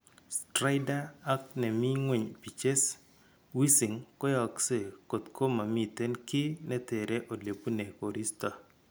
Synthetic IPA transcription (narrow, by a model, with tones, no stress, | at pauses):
stɾa˦ɪdaː˦knɛ˨mi˦ŋwe˨ɲpi˨t͡ʃe˦s | wi˦si˨ŋkɔ˦jɔ˨kse˦˨ko˨t̪kʰo˦ma˨mi˨te˦nkɪ˦nɛ˦t̪e˨ɾɛ˦ʔo˨le˨pu˦ne˨ko˨ɾi˦stɔ˨